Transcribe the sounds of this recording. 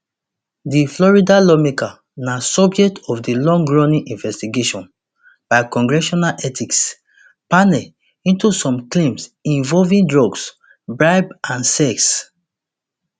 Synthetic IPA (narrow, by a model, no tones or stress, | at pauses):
diflɔɹidalɔmeka | nasɔbd͡ʒɛk̚tʰɔfdilɔ̃ŋɡɹɔnĩŋʔĩnvɛstiɡeʃɔ̃n | b̥aɪkɔ̃ŋɡɹɛʃɔnalʔɛtʰiks | panɛl | ĩntusɔ̃mklẽmsĩɱvɔlvĩndɹɔɡs | bɹaɪbãnsɛks